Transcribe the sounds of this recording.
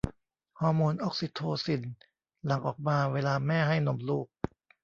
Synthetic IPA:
hɔː˧moː˧nʔo˦˥˩k̚si˨˦t̪ʰoː˧si˨˩n | la˨˩˦ŋʔɔː˨˩k̚maː˧weː˧laː˧mɛː˥˩ɦa˥˩jno˨˧˦mluː˥˩k̚

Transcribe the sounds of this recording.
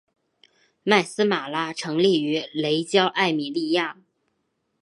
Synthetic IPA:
ma˥˩ɪsɹ̩˥ma˨˩la˥ʈ͡ʂʰɤ˧˥ŋli˥˩y˧˥le˧˥ɪt͡ɕjɑ˥ʊʔa˥˩ɪmi˨˩li˥˧ja˥˩

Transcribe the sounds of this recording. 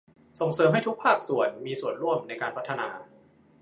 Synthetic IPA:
so˨˩ŋsɤː˨˦mɦa˥˩jt̪ʰu˦˥k̚pʰaː˥˩k̚su˨˩ənmiː˧su˨˩ənɾu˥˩əmna˧jkaː˧npʰa˦˥t̪ʰːa˧naː˧

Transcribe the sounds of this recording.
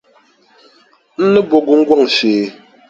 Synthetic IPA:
n̩˦nɨ˦bɔ˨ɡu˨ŋ̩˦ɡwa˦˨ŋʃeː˨

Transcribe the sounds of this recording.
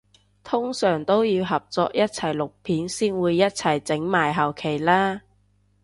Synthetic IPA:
t̪ʰʊ˥ŋsœː˨˩ŋt̪o˥wjiː˨˧wɦɐ˨p̚t͡sɔː˧k̚jɐ˥t̚t͡sʰɐ˨˩jlʊ˨k̚pʰiː˨˥nsiː˥nwuː˨˧jːɐ˥t̚t͡sʰɐ˨˩jt͡sɪ˨˥ŋmaː˨˩jɦɐ˨˩wkʰe˨˩jlaː˥

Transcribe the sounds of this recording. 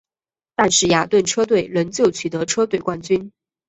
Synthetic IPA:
t̪a˥˧nʂɻ̩˥˩ja˨˩t̪wə˥˩nʈ͡ʂʰɤ˥t̪we˥˩ɪɻə˧˥nt͡ɕjo˥˩ʊt͡ɕʰy˨˩t̪ɤ˧˥ʈ͡ʂʰɤ˥t̪we˥˩ɪkwa˥nt͡ɕy˥n

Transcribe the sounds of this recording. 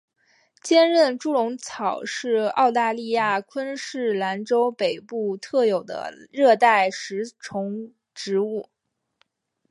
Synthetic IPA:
t͡ɕjɛ˥nɻə˥˩nʈ͡ʂu˥lʊ˧˥ŋt͡sʰɑ˨˩ʊʂɻ̩˥˧ɑ̰˥˧ʊt̪a˥˧li˥˧ja˥˩kʰwə˥nʂɻ̩˥˩la˧˥nʈ͡ʂo˥ʊpe˨˩ɪpu˥˩t̪ʰɤ˥˩jo˨˩ʊd̪ə̰˦ɻɤ˥˧t̪a˥˩ɪʂɻ̩˧˥ʈ͡ʂʰʊ˧˥ŋ | ʈ͡ʂɻ̩˧˥u˥˩

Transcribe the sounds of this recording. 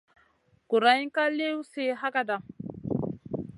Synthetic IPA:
ku˨ɾa˦ji˦ŋka˦le˦wu˦se˦ɦa˦ka˦˨da˨

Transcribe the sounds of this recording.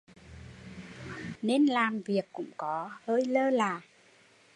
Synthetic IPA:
ne˧nlaː˨˩mvi˨˩əkːʊ̰˧˥ŋ͡mkɔ˨˦həː˧jləː˧laː˨˩

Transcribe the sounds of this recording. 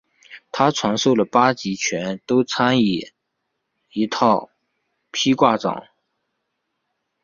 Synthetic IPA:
t̪ʰa˥t͡sʰwɑ˧˥ŋʂo˥˩ʊlə˩pa˥t͡ɕi˧˥t͡ɕʰɥɛ˧˥nt̪o˥ʊt͡sʰa˥ni˨˩ | i˧˥t̪ʰɑ˥˩ʊ | pʰi˥kwa˥˩ʈ͡ʂɑ̰˨˩˦ŋ

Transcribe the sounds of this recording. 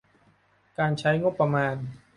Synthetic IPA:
kaː˧nt͡ɕʰa˦˥jŋo˦˥pːɾa˧maː˧n

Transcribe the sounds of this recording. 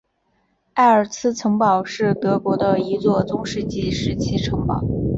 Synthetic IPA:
a˥˩ə˞˨˩t͡sʰɹ̩˥t͡sʰɤ˧˥ŋpɑ˨˩ʊʂɻ̩˥˩t̪ɤ˧˥kwɔ˧˥d̪ə˧i˧˥t͡swɔ˥˩t͡sʊ˥ŋʂɻ̩˥˧t͡ɕi˥˩ʂɻ̩˧˥t͡ɕʰi˥ʈ͡ʂʰɤ˧˥ŋpɑ̰˨˩˦ʊ

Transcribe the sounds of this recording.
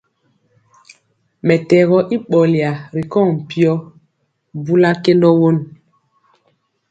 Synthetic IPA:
mɛ˨tɛ˨ɣɔ˦ʔi˦ɓɔ˨li˨a˨ɾi˨kɔ˦˨ŋm̩˨pi˦ɔ˦ | bu˦la˦ke˦ndɔ˦wo˦n

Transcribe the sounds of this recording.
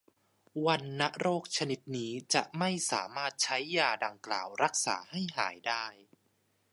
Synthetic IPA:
wa˧nːa˦˥ʔɾoː˥˩k̚t͡ɕʰa˧ni˦˥t̪̚niː˦˥t͡ɕa̰˨˩ʔma˥˩jsaː˩˦maː˥˩t̪̚t͡ɕʰa˦˥jːaː˧da˧ŋkla̰ː˨˩wɾa˦˥k̚sa̰ː˩˦ha˥˩jɦa̰ː˩˦jdaː˥˩j

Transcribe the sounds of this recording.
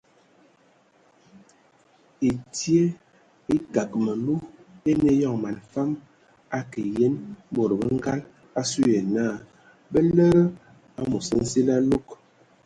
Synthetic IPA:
i˨tje˦ | i˦ka˨kmə˨lu˦e˦ne˦jɔ˦˨ŋma˨nfa˦m | a˦ki˨je˦nbo˨ɾbə˦ŋ˦ɡa˦l | a˦su˦e˨na˦˨ | bə˦lə˦ɾə˦ | a˦mo˨sə˦n̩˦si˦la˦lo˦k

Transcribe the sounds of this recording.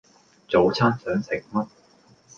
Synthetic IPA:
t͡so˨˥wt͡sʰaː˥nsœː˨˥ŋsɪ˨˩ŋmɐ˥t̚

